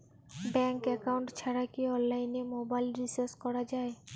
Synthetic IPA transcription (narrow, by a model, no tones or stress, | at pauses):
bɛŋkɛkawuɳʈt͡ɕʰaɾakiɔnlajnemobajlɾiseɾskɔɾad͡ʑae